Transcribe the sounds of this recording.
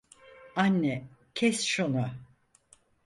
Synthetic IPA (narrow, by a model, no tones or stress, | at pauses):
anːɛcʰɛsʃuna